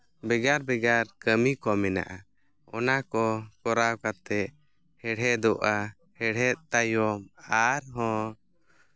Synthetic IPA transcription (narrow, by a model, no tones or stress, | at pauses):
bɛɡaɾbɛɡaɾkəmikɔmɛna̰ʔa | ɔnakɔkɔɾawkat̪ɛ | hɛɽɛd̪ɔʔa | hɛɽ̤ɛt̪̚ˀt̪ajɔmaɾɦɔ̃